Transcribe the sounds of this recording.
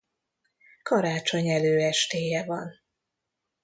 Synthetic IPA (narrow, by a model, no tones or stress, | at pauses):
kɒɾaːt͡ʃo̞ɲɛløːɛʃt̪eːjɛvɒn